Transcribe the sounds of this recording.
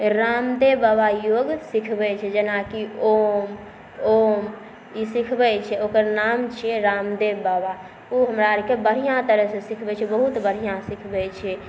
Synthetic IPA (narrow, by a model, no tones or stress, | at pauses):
ɾamd̪ebabajoɡsikʰbɛt͡ʃʰɛd͡ʒenakiom | om | isikʰbɛt͡ʃʰɛokəɾnamt͡ʃʰɛɾamd̪ebaba | uɦəmɾaɾkebəɽ̤ijãt̪əɾəsẽsikʰbɛt͡ʃʰɛbəɦut̪bəɾ̤ijãsikʰbɛt͡ʃʰɛ